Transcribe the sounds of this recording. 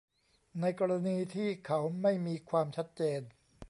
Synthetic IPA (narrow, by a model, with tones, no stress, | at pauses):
na˧jkɔː˧ɾa˧niː˧t̪ʰiː˥˩kʰa˦˥wma˥˩jmiː˧kʰwaː˧mt͡ɕʰa˦˥t̪̚t͡ɕeː˧n